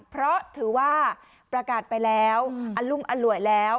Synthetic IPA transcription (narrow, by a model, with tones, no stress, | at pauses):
pʰɾɔ˦˥t̪ʰɯː˩˦waː˥˩ | pɾa˧kaː˨˩t̪̚pa˧jlɛː˦˥wʔa˧nlu˥˩mʔa˧nlu˨˩˦əjlɛː˦˥w